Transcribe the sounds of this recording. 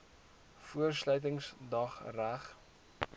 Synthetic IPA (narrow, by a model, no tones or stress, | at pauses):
fuərslœɥt̬əŋsdɐχræχ